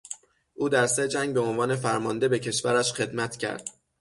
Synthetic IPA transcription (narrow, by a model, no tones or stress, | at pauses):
ʔuːd̪æɾse̞d͡ʒæŋɡ̚beo̞nvɒːne̞fæɾmɒːnd̪e̞be̞cʰe̞ʃvæɾæʃxe̞d̪mæt̪ʰcʰæ̰ɾd̪̥